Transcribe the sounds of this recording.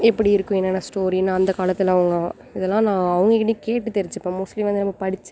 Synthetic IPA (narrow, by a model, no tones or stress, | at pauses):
ɛpːɐɽiɪɾɯkːʊ̃ɛnːɐnːɐsʈoːɾinːaɐnd̪ɐkaːlɐt̪ːɪlɐʋɐŋɡɐ | ɪðɛlːãːnãːɐʋɐŋɡɐkːɪʈːnːikeːʈːɯt̪ɛɾɪɲd͡ʒɯɐpːomʊslimʋɐnd̪ɯnɐmːɐpɐɽɪt͡ʃːɯ̥